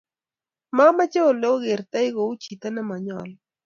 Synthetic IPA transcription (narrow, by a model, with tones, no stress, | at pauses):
ma˦ma˦t͡ʃe˦o˨lo˦ɣɪ˨ɾt̪a˦jɡo˨u˦t͡ʃi˨t̪a˦na˦ma˨ɲɔ̰˨l